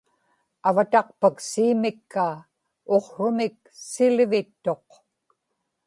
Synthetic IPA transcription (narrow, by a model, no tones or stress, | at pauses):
avat̪ɑqpaksiːmɪkʰːaː | oqrʊmɪk̚sɪlvɪt̪ːo̞q